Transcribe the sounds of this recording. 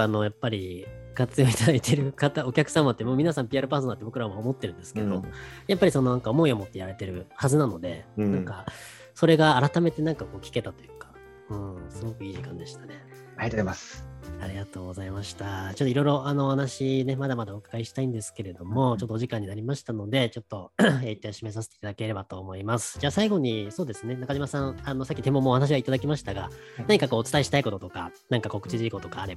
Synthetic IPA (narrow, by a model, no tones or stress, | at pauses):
ano̞japːaɾʲi | kat͡sɨjo̞ːit̪ad̪ait̪ʰe̞ɾɯ̟kat̪ao̞kʲakɯ̟samat̪ːemoːmʲinasãmpʲiaɾɯ̟paːsonat̪ːebo̞kɯɾaβmoːmo̞t̪ːe̞ɾɯ̟nd̪e̞sɨ̥ke̞d̪o̞ojapːaɾʲiso̞no̞nãŋkao̞mo̞io̞mo̞t̪ːejaɾe̞t̪e̞ɾɯ̟hazɨnano̞d̪e̞̰nãka | so̞ɾe̞ɡaːɾat̪ame̞t̪e̞nãŋkako̞ːkʲi̥ke̞t̪at̪o̞jɯ̟kḁ | ɯ̟̃ːsɨɡo̞kɯ̟iːʑikãnd̪e̞ɕi̥t̪ane̞ | at̪eemasaɾʲiɡat̪o̞ːɡo̞zaimaɕi̥t̪at͡ɕot̪ːoiɾo̞iɾo̞ʔano̞ːhanaɕine̞mad̪amad̪aokḁɡaiɕi̥t̪aĩnd̪e̞sɨ̥ke̞ɾe̞d̪o̞mo̞t͡ɕo̞t̪ːoːʑikãɲ̟ːinaɾʲimaɕi̥t̪ano̞d̪e̞t͡ɕo̞t̪ːo̞eːit̪aɕimes̬as̬et̪eit̪ad̪ake̞ɾe̞bat̪o̞ːmo̞imasɨ̥d͡ʑaːsaiɡo̞ɲ̟iso̞ːd̪e̞sɨne̞nakaʑimasãɴano̞sakʲːit̪e̞mːomoːhanaɕiβait̪ad̪akʲimaɕi̥t̪aɡa | nnaɲikako̞ːt͡sɨ̥t̪aiɕi̥t̪aiko̞t̪o̞t̪o̞ka̰ | nãŋkako̞kɯ̟t͡ɕiʑiko̞t̪o̞kaːɾe̞ba